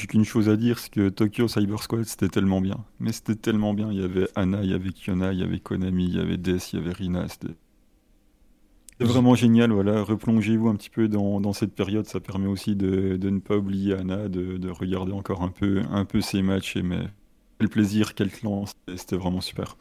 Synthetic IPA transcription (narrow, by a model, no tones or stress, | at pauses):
ʒykynʃozad̪iːʁsɛ̥kət̪ɔkʲjosajbœʁskwat̪se̥t̪ɛt̪ɛlmɑ̃bjɛ̰̃mɛse̥t̪ɛt̪ɛlmɑ̃bjɛ̃iljavɛʔanaija̰vɛkjɔnailja̰vɛ̰kʰɔnamija̰vɛ̰d̪ɛsja̰vɛʁina̰se̥t̪ʰɛ̰ | t̪ɛvʁɛmɑ̃ʒenjalvwalaʁəplɔ̃ʒevuɛ̃pət̪i̥pød̪ɑ̃d̪ɑ̃sɛt̪̚peʁjɔd̪sapɛʁmɛosid̪əd̪ənəpaublijeanad̪əd̪əʁəɡʲaʁd̪eɑ̃kɔʁɛ̃pʰøɛ̰̃pøsemat͡ʃḛmɛ̰ | kʲɛlpleziːʁkʲɛlt̪lɑ̃se̥t̪ɛse̥t̪ɛvʁɛmɑ̃sy̥pɛ̰ːʁ